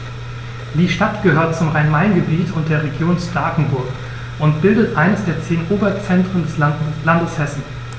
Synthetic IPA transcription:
d̥iːʃtatɡ̥əhøːɐt̚t͡sʊmʁaɪnmaɪnɡəbiːtʰʊnt̚d̥eːɐʁeɡjoːnsd̥aːkŋ̩bʊɐk | ʔʊntb̥ɪldətʔaɪnəsd̥eːɐt͡seːnʔoːbɐt͡sɛntʁ̥əndɛslandəshɛsn̩

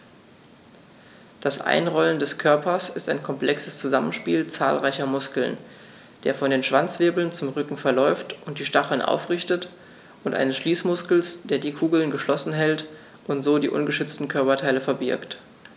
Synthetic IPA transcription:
d̥asʔa̰ɪnʁɔləndɛskʰœɐpɐsɪstaɪnkʰɔmpl̥ɛksəst͡suzamənʃpḭːlt͡sa̰ːlʁaɪçɐmʊskl̩n | d̥eːɐfɔndeːnʃv̥ant͡sv̥eːbl̩nt͡sʊmʁʏkŋ̩fɛɐlɔʏftʔʊnt̚d̥iːʃtaχl̩nʔa̰ʊfʁ̥ɪçtət | ʔʊntʔa̰ɪnəsʃliːsmʊskl̩sd̥eːɐdiːkʰuːɡl̩nɡəʃlɔsn̩ɦɛlt | ʔʊntz̥oːdḭːʔʊnɡəʃʏt͡stn̩kʰœɐpɐtʰaɪləfɛɐbɪ̰ɐkt

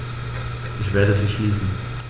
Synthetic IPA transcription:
ʔɪçv̥eːɐdəziːʃliːsn̩

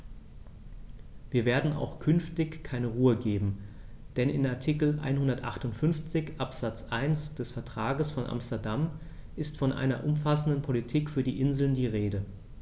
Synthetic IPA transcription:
viːɐveːɐdn̩a̰ʊxkʰʏnftɪçkʰːaɪnəʁuːəɡeːbm̩ | d̥ɛnɪ̰naɐtʰikl̩ʔa̰ɪnhʊndɐtʔa̰χtʊntfʏnft͡sɪçʔapz̥at͡sʔaɪnsd̥ɛsfɛɐtʁ̥aːɡəsfɔnʔa̰mstɐɐdam | ʔɪstfɔnʔa̰ɪnɐ̰ʔʊmfasn̩dənpʰolitʰiːkfyːɐdiːʔɪnzl̩ndiːʁeːdə

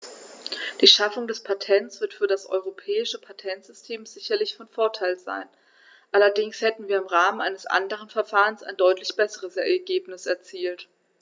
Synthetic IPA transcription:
d̥iːʃafʊŋdɛspʰatʰɛntt͡sv̥ɪɐtfyːɐdasʔɔ̰ʏʁopʰɛːɪʃəpʰatʰɛntz̥ʏstʰeːmzɪçɐlɪçfɔnfoɐtʰaɪlza̰ɪn | ʔalɐdɪŋshɛtn̩viːɐɪmʁaːmənʔaɪnəsʔa̰ndəʁ̞ənfɛɐfaːʁənsa̰ɪndɔʏtlɪçb̥ɛsəʁəsɛɐɡeːpnɪsɛɐt͡siːlt

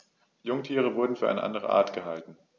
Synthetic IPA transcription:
jʊŋtʰiːʁ̞əvʊɐdn̩fyːɐʔa̰ɪə̰ʔa̰ndəʁ̞ə̰ʔa̰ːɐtɡ̥əɦaltn̩

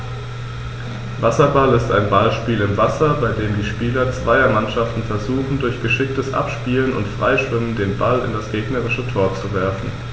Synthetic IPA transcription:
vasɐbalɪstaɪnbalʃpiːlɪmvasɐbaɪdeːmdiːʃpiːlɐt͡sv̥aɪɐmanʃaftn̩fɛɐzuːxn̩dʊɐçɡ̥əʃɪk̚təsʔa̰pʃpiːlənʊ̰ntfʁ̥aɪʃv̥ɪməndeːnbalɪ̰ndasɡ̥eːɡnəʁɪʃətʰoːɐt͡suvɛɐfn̩

